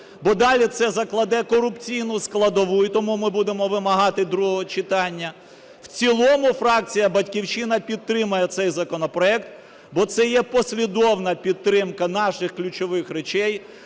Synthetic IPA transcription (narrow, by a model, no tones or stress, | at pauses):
bɔd̪ɑlʲit̪sɛzɐklˠɐd̪ɛkɔɾʊpt͡sʲijnʊsklˠɐd̪ɔʋujʊt̪ɔmumɪbud̪emɔʋɪmɐɦɑt̪ɪd̪ɾuɦɔɦɦɔt͡ʃɪt̪ɑnʲːɐ | w̥t͡sʲilˠɔmʊfɾɑk̚t͡sʲijɐbɐtʲkʲiwt͡ʃɪnɐpʲid̪̚t̪ɾɪmɐjɛt̪sɛjzɐkɔnɔpɾɔɛkt̪̚ | bɔt̪sɛjɛpɔsʲlʲid̪ɔwnɐpʲid̪̚t̪ːɾɪmkɐnɑʃɪxklʲʊt͡ʃɔʋɪxɾet͡ʃɛj